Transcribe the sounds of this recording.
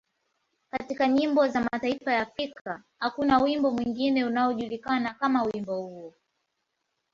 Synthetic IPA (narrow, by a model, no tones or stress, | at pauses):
katikaɲimbɔzamataifajaːfɾikʰa | hakunawimbɔmwiŋɡinɛunaɔʄulikanakamawimbɔhuɔ